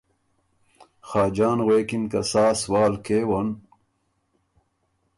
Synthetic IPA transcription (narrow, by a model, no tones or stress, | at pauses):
xaːd͡ʑaːnʁeːkinkɐsaːswaːlkeːwɐn